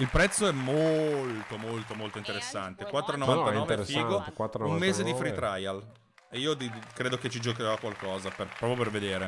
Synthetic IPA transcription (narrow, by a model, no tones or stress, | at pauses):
ilpɾɛt̪sːoɛmːolt̪omolt̪omolt̪oint̪eɾesːant̪ekwat̪ːɾoenoant̪anɔːvespiːɡot̪ekwat̪ːɾummeːzed̪ifɾit̪ɾajal | eiːod̪ikɾeːd̪oket͡ʃːid͡ʒokeɾakwalkɔːzaperpɾɔːpɾjoperved̪eːɾe